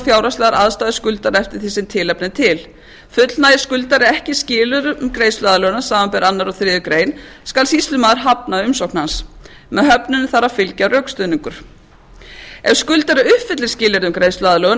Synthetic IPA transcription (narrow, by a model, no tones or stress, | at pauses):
fjawɾast̪ɛðaɾaðst̪aːðɪskʏlt̪aɾɛft̪ɪɾ̥θisɪnt̪ʰɪlɛpnɪt̪ʰɪl | fʏt̪lnaːjðɪskʏlt̪aɾɪɛhcɪscɪːlʏɾʏmkɾejst̪laːðalœːɣʏnasaːmampɛɾanːaɾɔθɾɪːðʏkɾeːjnskalsist̪lʏmaːðɪɾ̥ɦap̚naʏmsowknhans | mɛðɦœpnʏnθaɾafɪlcarœɥkst̪ʏniŋkʏɾ̥ | ɛv̥skʏlt̪aɾɪʏhfɪt̪lɪ̥scɪːlɛɾðʏmkɾeːjst̪laːðalœːɣʏ